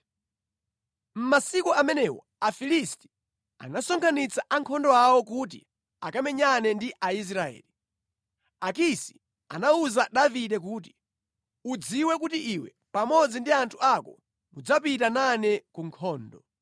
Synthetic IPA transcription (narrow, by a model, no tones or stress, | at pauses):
m̩masikuamɛnɛwɔ̰ | afilisti̥ | a̰nasɔŋkʰanit͡saʔaŋkʰɔndɔawɔkut̬ḭ | akamɛɲanɛndiʔais̬ɾaɛ̰ːli | ak̬isi̥ | a̰nauzaɗaviɗɛk̬uːt̬i̥ | ud͡ziwɛk̬utiʔiwɛ̰ | pamɔd͡zindiantʰu̥akɔ̰ | mud͡zapitananɛkuŋkʰɔːndɔ